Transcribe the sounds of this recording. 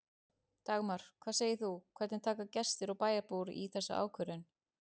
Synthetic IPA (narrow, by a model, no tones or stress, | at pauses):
t̪aɣmaɾ̥kʰv̥aːseːjɪθukʰvɛɾt̪nɪnt̪ʰaːkacɛst̪ɪɾawpaːjaɾpuɾḭθɛsːa̰ʔa̰ːwkʰœɾʏn